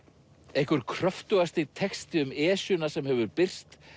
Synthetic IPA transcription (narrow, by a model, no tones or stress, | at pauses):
ehkʏɾ̥kʰɾœft̪ʏɣast̪ɪt̪ʰɛkst̪ɪʏmɛːsʏnasɛmhɛvʏɾpɪr̥t̪